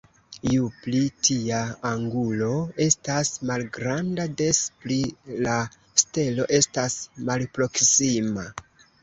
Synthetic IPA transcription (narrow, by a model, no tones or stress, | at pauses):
juplitʰiaːŋɡulo̞e̞stasmalɡɾandade̞splila | ste̞lo̞ʔe̞stasmalpɾo̞ksima